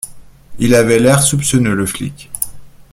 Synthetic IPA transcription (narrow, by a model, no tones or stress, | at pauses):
ilavɛlɛʁsupsɔneləflḭkʲ